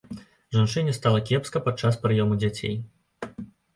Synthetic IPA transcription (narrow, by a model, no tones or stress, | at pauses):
ʐant͡ʂɨnʲiɛst̪alˠɐkʲɛpskɐpat͡ʂaspɾɨjɔmud͡zʲat͡sʲḛj